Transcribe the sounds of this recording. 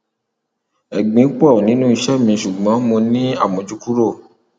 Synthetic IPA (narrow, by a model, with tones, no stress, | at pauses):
ɛ˨ɡ͡bĩ˨˦k͡pɔ˦˨nĩ˨˦nũ˦i˧ʃɛ˦mĩ˧ʃu˨ɡ͡bɔ̃˨˦mõ˧nĩ˦a˦˨mõ˨d͡ʒu˦ku˦ɾo˦˨